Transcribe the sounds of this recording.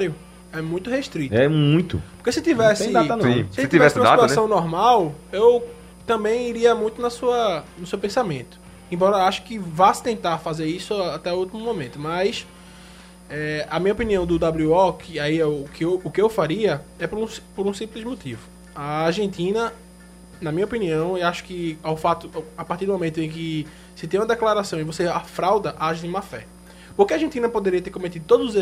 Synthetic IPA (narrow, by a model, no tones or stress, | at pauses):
aɾjʊ | ɛmũj̃t̪ʊheʃt̪ɾit̪ɛmũj̃t̪ʊ̰ppo̥ɾhkesɪt̪ivɛsɪanst̪ivɛsũmsadt̪uasɛsɐ̃w̃nɔɦmawew | t̪ɐ̃mbẽj̃iɾiɐmũj̃t̪ʊnɐsuɐnʊsewpẽsamẽt̪ʊ̥ | ẽbɔɾɐaʃʊ̥kɪvasɪ̥t̪ẽnt̪aɾfazeɾisʊaat̪ɛuwt̪imʊmõmẽt̪ʊmɐjs | ɛɐmĩɲɐopiniɐ̃w̃d̪ʊd̪abluɔkɪaiʊkɪewʊkɪewfaɾiɐɛpoɾũspoɾũsĩplɪzmot̪ivʊ | ɐːɾʒẽnt̪ĩnɐ | nɐmĩɲɐopiniɐ̃w̃ewaʃʊ̥kɪawfat̪ʊapaɾtiɾd̪ʊmõmẽt̪ʊẽj̃kɪ | sɪt̪ẽj̃ũɐd̪ɛklaɾasɐ̃w̃ɪ̃voseafɾawd̪ɐʔaʒd̪ĩũmɐfɛ̰ | poɾkɪaɾʒẽnt̪ĩnɐpod̪eɾiɐt̪eɾkõmet̪̬id̪ʊt̪od̪ʊzʊze